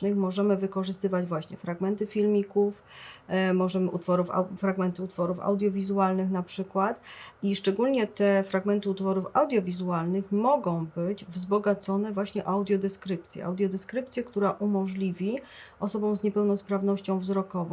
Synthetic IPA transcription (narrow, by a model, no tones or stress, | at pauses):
nɘxmɔʐɛmɘvɘkɔʐɘst̪ɘvad͡ʑvwaɕɲɛfɾaɡmɛnt̪ɘfʲilmʲikuf | mɔʐɛmɘʔut̪fɔɾufa̰fɾaɡmɛnt̪ɘut̪fɔɾufa̰wd̪ʲjɔvʲizualnɘxnapʂɘkwat̪iʂt͡ʂɛɡulɲɛt̪ɛfɾaɡmɛnt̪ɘut̪fɔɾufawd̪ʲjɔvʲizualnɘxmɔɡɔ̃w̃bɘd͡ʑvzbɔɡat̪sɔnɛvwaɕɲɛʔawd̪ʲjɔd̪ɛskɾɘp̚t̪sʲjɛ̰ʔa̰wd̪ʲjɔd̪ɛskɾɘpt̪sʲjɛkt̪uɾaʔumɔʐlʲivʲiʔɔsɔbɔ̃w̃zɲɛpɛwnɔspɾavnɔɕt͡ɕɔ̃w̃vzɾɔkɔvɔ̃